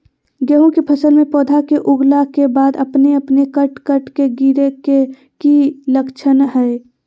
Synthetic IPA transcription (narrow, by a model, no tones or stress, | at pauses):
ɡəɦũkipʰəsəlmẽpɔːd̪ʱakeʔʊɡlakebaːd̪əpneəpnekəʈkəʈkeɡiɾeke | kiləkt͡ʃʰənɦɛe